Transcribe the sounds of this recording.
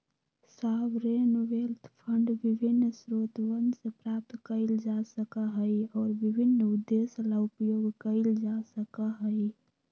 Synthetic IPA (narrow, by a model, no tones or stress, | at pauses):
sabɾenʋelt̪ʰpʰəɳɖʋibʱinːsɾot̪ʋənsepɾap̚t̪kəɪld͡ʒasəkəɦəjɔːɾbibʱinːud̪ːeslaupjoɡkəɪld͡ʒasəkəɦəj